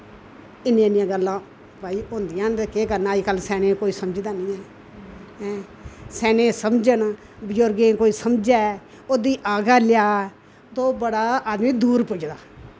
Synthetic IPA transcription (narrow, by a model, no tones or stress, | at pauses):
ɪnjãːnɪjãːɡəlːãː | paːiːõːnd̪ijãːkeːkəɾnaːd͡ʒkəlsɛːnẽːkoːiːsəməd͡ʒd̪aːnĩːɛː | ɛː | sɛːnẽːsəmd͡ʒən | bɪd͡ʒoɾɡẽːkoːiːsəmd͡ʒaː | oːd̪iːʔaːɡaːlɪjaː | t̪oːbəɽaːaːd̪mĩːd̪uːɾpʊd͡ʒd̪aː